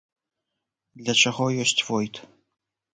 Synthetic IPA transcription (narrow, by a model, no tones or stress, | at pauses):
d̪lʲɐt͡ʂaɣɔjɔsʲt͡sʲvɔjt̪